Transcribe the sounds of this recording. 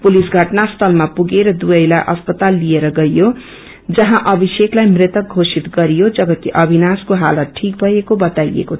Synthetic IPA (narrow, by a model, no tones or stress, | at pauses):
pulisɡʱʌʈnast̪ʰʌlmapuɡeɾʌd̪ujʌjlaʔʌspʌt̪alːieɾʌɡʌjjo | d͡zʌɦãʔʌbʱiseklajmret̪ʌk̚ɡʱosit̪ɡʌɾijod͡zʌbʌk̪iʔʌbʱinaskoɦalʌʈʰik̚bʱʌjekobʌt̪ajḛko